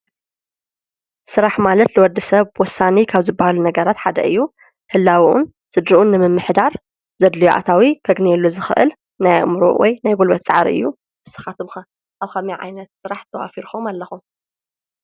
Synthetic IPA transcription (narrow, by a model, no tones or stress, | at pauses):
sɨɾaħmalɐt̪lɨwɔd̪ːisɐβwɔsːanikʰaβzɨbːahalunɐɡɐɾat̪ħad̪ɐ̰ʔɨjːu | hɨlːawʔṵn | z̥ɨd̪ɾiʔunɨmɨmːɨħd̪aɾ | z̥ɐd̪lijoʔa̰t̪ʰawikʰɐɡnelːuzɨxɨʔɨ̰l | najmɾṵwʔɔ̰jnajɡulbɐt̪t͡sʼa̰ʕɾḭɨ̰jːu | ɨsɐ̥xat̪ʰɨβxɐ | ʔaβxɐmiʕa̰jnɐt̪sɨɾaħt̪ʰɐwa̰fiɾxomalːɐxum